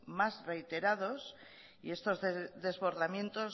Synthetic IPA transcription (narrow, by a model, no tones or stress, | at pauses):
mazre̞jt̪e̞ɾaðo̞s | ḭe̞st̪o̞zððe̞zβo̞ɾðamje̞nt̪oz